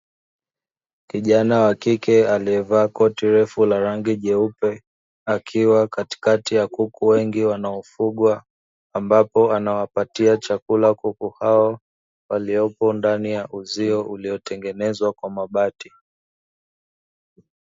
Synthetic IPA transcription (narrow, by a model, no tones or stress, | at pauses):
kiʄanawakikɛaliɛvaːkɔtiɾɛfulaɾaŋɡiʄɛupɛ | akʰiwakati̥katijakukuwɛŋɡiwanaɔfuɠwaː | mbapɔanawapatiat͡ʃakulakukuhaɔ | waliɔpɔndanijaʔuziɔʔuliɔtɛŋɡɛnɛzwakwamaɓati